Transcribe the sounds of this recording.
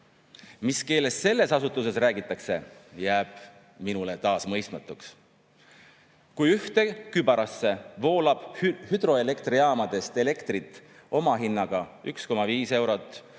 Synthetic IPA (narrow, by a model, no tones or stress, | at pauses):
miske̞ːle̞sːe̞lːe̞sɑsut̪ːˑus̬e̞sræːɡit̪ːˑɑkse̞jæːb̥ | minulet̪ɑːsmɤjst̪mɑt̪ːˑuks | kujyht̪e̞kybɑɾɑsːe̞vo̞ːlɑb̥hyd̪ro̞e̞le̞kt̪riɑːmɑd̪̥e̞st̪e̞le̞kt̪rit̪ˑː | o̞mɑɦinːɑɡ̥ɑyksko̞mɑviːse̞wɾo̞t̪ːˑ